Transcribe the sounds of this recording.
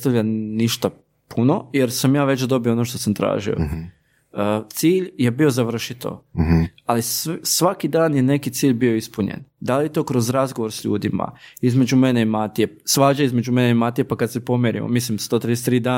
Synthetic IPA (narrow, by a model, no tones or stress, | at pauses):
t̪aʋʎaniʃt̪a | pʰuno̞je̞ɾsamjaːʋe̞t͡ʃd̪o̞bijoonoʃt̪o̞samt̪ɾa̰ːʒḭo̰ | ət̪siːʎje̞bio̞zaʋr̩ʃit̪o̰ | alissʋakid̪aːnjene̞kit̪siːʎbio̞ispuɲḛnd̪alijet̪o̞ːkɾo̞zɾazɡoʋo̞ɾsʎṵːd̪ima̰izme̞d͡ʑume̞ne̞imat̪ije̞sʋaːd͡ʑaizmed͡ʑumeneimat̪ijepakad̪sepo̞meɾḭmo̰mislimst̪o̞t̪ɾid̪es̬t̪ɾiːd̪aː